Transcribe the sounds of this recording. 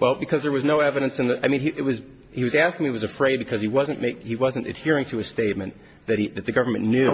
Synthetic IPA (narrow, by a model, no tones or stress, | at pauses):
wʔɛlˠbɨkʰʌzðə˞wʌznoʊɛvɨɾɨ̃nsɨ̃nðɨʔaɪmĩniʔɨt̚wʌz | hiwʌzæskɪ̃ŋmiɨt̚wʌzɨfɹeɪd̚bɨkʰʌz̥iwʌzɨ̃nmeɪkhiwʌzɨ̃n̩tɨ̰d̚hɪɹɪ̃ŋtʰɨɨsteɪt̚mɨ̃n | ðɨt̚iðɨt̪̚ðɨɡʌvə˞mɨ̃nːjʉ